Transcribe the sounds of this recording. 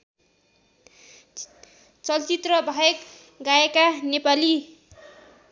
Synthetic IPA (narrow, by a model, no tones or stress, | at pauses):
t͡sʌlt͡sit̪rʌbʱʌek | ɡaekanepali